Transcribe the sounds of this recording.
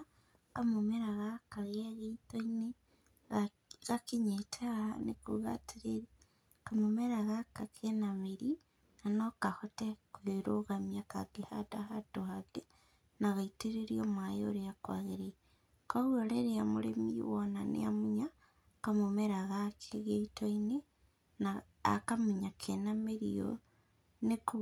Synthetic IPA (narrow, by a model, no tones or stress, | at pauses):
kamomeɾaɣakaɣeaɣeitoine | ɣakeɲetʰaɣanekoɣa̰teɾeɾi | kamomeɾaɣakakʰenameɾi | nanɔkahotekweɾoɣamjaka̰ɡ̥ehadahadohaɡe | naɣaiteɾeɾiomwajoɾeakwa̰ɣeɾe | kaɣwoɾeɾeamoɾḛmiwɔnanḛamuɲa | kamomeɾaɣakʰeɣeitoine | na̰ː | kamuɲakʰenameɾḭo̰ | neku